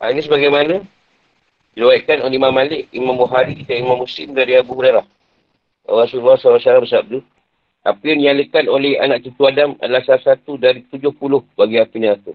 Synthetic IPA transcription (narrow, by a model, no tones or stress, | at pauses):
a̰inis̬əbaɡajmanə̃ | diluwijʔkanolimamalɪkimambuɦaɾikit̪aimamːusɪ̰mdaɾiabuuɾalah | a̰rasululːɔsawasalabəsabp̚du | a̰pinialikanolɛha̰naʔt͡ʃət̪uadama̰dalahsasat̪udaɾit̪ud͡ʒʊhpulʊhbaɡiapinaatu